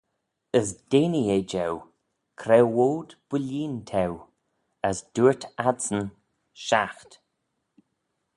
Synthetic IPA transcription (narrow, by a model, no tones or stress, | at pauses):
əsd̥enied͡ʒɛw | kʰɾɛwoːd̪b̥əlʲiːnt̪ʰɛw | əsd̥uːɹt̪ʰadsən | ʃaxt̪